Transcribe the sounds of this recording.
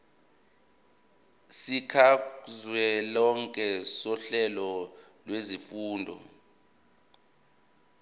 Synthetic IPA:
sikʰazwɛlɔŋkʼɛsɔɬɛlɔlwezifuːndʱɔ̰

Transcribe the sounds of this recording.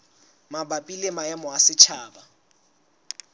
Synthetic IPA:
mabapʼilemaɛmɔasɪt͡ʃʰaːba

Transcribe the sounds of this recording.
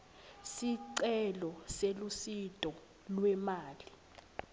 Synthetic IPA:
siǀɛlɔselusitʼɔ | lwɛmaːli

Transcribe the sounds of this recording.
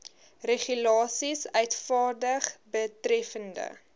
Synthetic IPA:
reχylɑːsisœɥtfɑːrdəχbətrɛfəndə̰

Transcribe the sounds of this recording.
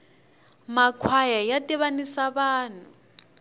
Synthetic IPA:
makʰwajajatʼɛβanisaβaːn̤ʊ

